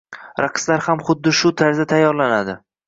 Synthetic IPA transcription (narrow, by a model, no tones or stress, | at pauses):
ɾaqʰɨ̥slaɾhamχʊd̪ːɪʃʊt̪ʰaɾzat̪ʰajːɒɾlanad̪ɪ